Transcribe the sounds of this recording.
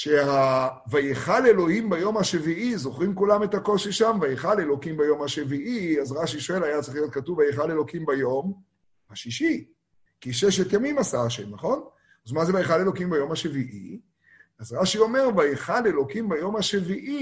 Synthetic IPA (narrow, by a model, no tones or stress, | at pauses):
ʃea | vajeχalelo̞himbajo̞mhaʃeviʔizoχʁimkulame̞thako̞ʃiʃamvajeχalelo̞kimbajo̞mhaʃeviʔiazʁaʃiʃo̞e̞lajat͡sɐʁiχlijo̞t̚katuvajeχalelo̞kimbajo̞m | haʃiʃi | kiʃeʃetjamimasaʃḛmnaχo̞n | azmazeajeχalelo̞kimbajo̞mhaʃeviʔḭ | azʁaʃio̞me̞ʁvajeχalelo̞kimbajo̞mhaʃeviʔi